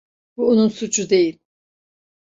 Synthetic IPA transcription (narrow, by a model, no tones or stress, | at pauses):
b̥uonunsut͡ʃʰud̪e̞jilʲ